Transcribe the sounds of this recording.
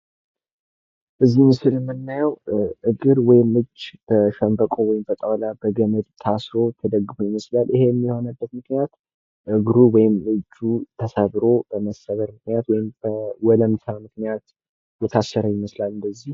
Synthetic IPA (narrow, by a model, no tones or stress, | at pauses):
ʔɨzːimɨsɨlɛmːɨnːajəwʔɨɡɨɾwɔjɪmɨd͡ʒːb̥əʃəmbəkʼowɔjɪmbət̪ʼəwlabəɡəməd̪t̪ʰasɾo̞t̪ʰəd̪əɡɨfujɪməslalʔɨhe̞jɛmːiho̞nəbːət̪mɨknijat̪ | ʔɨɡɾuwɔjɪmɨd͡ʒːut̪ʰəsəβɾo̞bəməsːəβəɾmɨknijat̪wɔjɪmb̥əwɔləmt̪ʰamɨknijat̪ | jɛt̪ʰasːəɾəjɪməslalɨnd̪əzːih